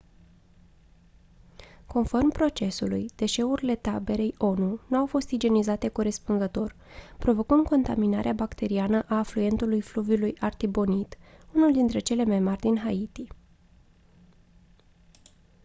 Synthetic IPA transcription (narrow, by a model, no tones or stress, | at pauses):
ko̞nfo̞rmpɾo̞t͡ʃe̞sulujd̪̥e̞ʃe̞uɾile̞t̪abe̞ɾe̞jo̞nunuawfo̞st̪id͡ʒe̞nizat̪e̞kuɾe̞spunzət̪o̞r | pɾo̞vo̞kɨnd̪̚ko̞nt̪aminaɾeabakt̪e̞ɾianəʔaːfluje̞nt̪ulujflubjulujart̪ibo̞nit̪unuld̪int̪ɾe̞t͡ʃe̞le̞majmarʲd̪inɦait̪i